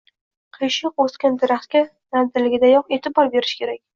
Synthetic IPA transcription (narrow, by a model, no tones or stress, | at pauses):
qʰijʃɪqoskʲand̪ɪɾaχt̪kʲa | nanzɪɾlɪɡʲɪd̪ajɒqe̞t̪ʰɪbɒɾbe̞ɾɪ̥ʃkʲʰe̞ɾakʲ